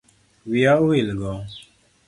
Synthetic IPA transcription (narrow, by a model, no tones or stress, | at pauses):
wiauhelɡɔ